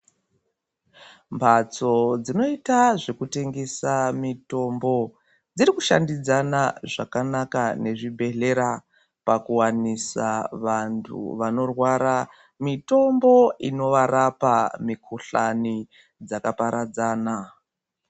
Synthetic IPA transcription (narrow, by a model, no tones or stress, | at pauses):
mbʰʱat͡so̞d͡zino̞itaʐe̞kute̞ŋɡe̞samito̞mbo̞ | d͡ziɾikuʃa̰ndid͡zanaʐakanakane̞ʐibʱe̞ɮe̞ɾa | pakuwanisaʋantʰṵʋano̞rwaɾa | mito̞mbo̞ino̞ʋaɾapamikʰuɬani | d͡zakapaɾad͡zaːna